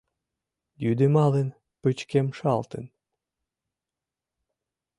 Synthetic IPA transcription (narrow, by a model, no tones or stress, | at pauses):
jyd̪emɑlen | pɨt͡ɕkemʃɑlt̪ə̰̆n